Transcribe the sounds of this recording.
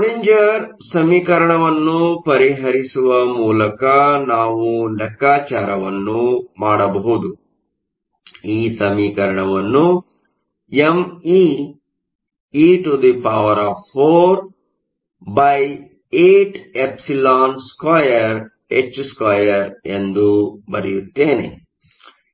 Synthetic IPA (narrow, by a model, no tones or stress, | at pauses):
niɲd͡ʒɐɾsɐmiːkɐɾɐɳɐʋɐnːupɐɾiɦɐɾisuʋɐmuːlɐkɐnaːʋulɐkːaːt͡ʃaːɾɐʋɐnːumaːɽɐbɐɦud̪u | iːsɐmiːkɐɾɐɳɐʋɐnːu | emiː | iːʈud̪ipaːʋɐɾaːfpʰoːɾ | bɐj | eːʈepsilaːnskaːjɐɾ | et͡ʃːskaːjɐɾend̪ubɐ̰ɾijut̪ːeːnḛ